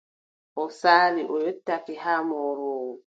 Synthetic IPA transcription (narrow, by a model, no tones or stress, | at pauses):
ʔɔsaːɾiʔɔjotːafihamɔɾɔwɔ